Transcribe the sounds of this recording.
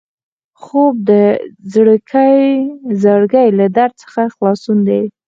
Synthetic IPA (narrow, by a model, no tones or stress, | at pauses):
xob̚d̪əzɽəkʰajzəɽɡəjlad̪aɾd̪̚t͡sə̥xaxlɑsund̪ej